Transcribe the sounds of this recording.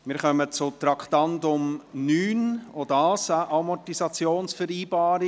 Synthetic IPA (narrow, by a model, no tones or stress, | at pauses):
mɪːɾχœmət͡sʊt̪ɾɑktɑndʊmnyːnodɑːsaʔɑmɔtisɑt͡sjoːnsfɛɾiːbɑːɾi